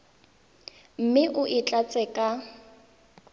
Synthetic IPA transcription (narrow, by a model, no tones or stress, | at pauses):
m̩mɪʔʊʔɪt͡ɬʼat͡sʼɛkʼa